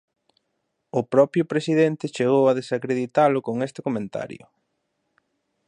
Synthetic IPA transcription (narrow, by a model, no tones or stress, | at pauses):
ʊpɾɔpɾjʊpɾesiðent̪ɪt͡ʃeɣ̞owɐðesakɾeðit̪alʊkoŋest̪ɪkomẽnt̪a̰ɾjʊ̰